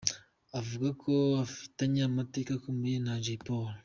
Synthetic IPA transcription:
avuɡakʰoafi̥taɲaːmateːkakomujenad͡ʒipol

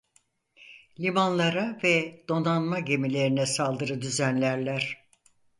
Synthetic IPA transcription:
lʲimanlˠaɾavɛd̪̥o̞nanmaɟe̞milʲe̞ɾinɛsalˠd̪ɯɾɯd̪yzænlʲæɾlʲæɾ̥

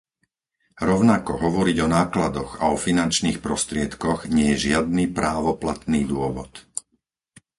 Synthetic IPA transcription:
ɾɔʊnakɔɦɔʋɔɾiɟɔnaːklad̪ɔɣa̰ɔfinant͡ʃniːxpɾɔst̪ɾɪɛt̪kɔɣɲɪɛjɛʒɪad̪̚niːpɾʔaːʋɔplat̪niːd̪ʊɔʋɔt̪

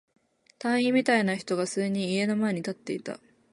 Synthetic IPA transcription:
t̪ãɰ̃ĩmʲit̪ainaçi̥t̪o̞ɡasɨːɲ̟ĩːe̞no̞mae̞ɲ̟it̪at̪ːe̞it̪a̰

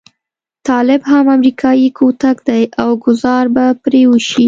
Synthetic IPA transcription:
t̪ɑlɪbɦamamɾikʰɑjikʰot̪akd̪ajawɡʊzɑɾbapɾewəʃi

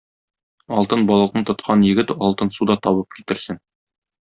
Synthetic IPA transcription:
ɒlˠt̪ɤnbɒlˠɤ̆qnɤɴt̪ŏt̪̚qʰɑnjɘ̆ɡɘt̪ɒlˠt̪ɤnsud̪ɑt̪ɒβɤp̚ki̥t̪ɘ̆ɾsɘn

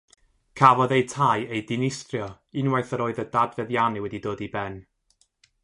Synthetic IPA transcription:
kʰavɔðejtʰajejdɪnɪstrjɔ | ɪnwajθəɾoːɨðədadvɛðjaniwɛdidoːdibɛn

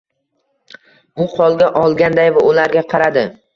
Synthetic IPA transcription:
ʊqʰɒlˠɡʲaʔɒlˠɡʲand̪ajvaʊlaɾɡʲaqʰɑɾad̪ɪ

